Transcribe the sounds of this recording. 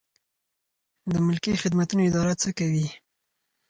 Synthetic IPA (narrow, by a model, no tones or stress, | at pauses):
d̪əmʊlkixɪd̪mat̪unoɪd̪ɑɾat͡səkawi